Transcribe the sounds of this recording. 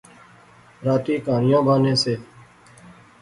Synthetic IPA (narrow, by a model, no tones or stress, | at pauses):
ɾaːʈ̪iːkaːnɪjãːbʱaːnẽːseː